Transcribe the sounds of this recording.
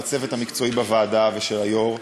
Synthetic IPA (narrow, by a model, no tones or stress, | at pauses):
t͡se̞vet̪hamikt͡so̞ibavaːd̪aveʃelajoʁ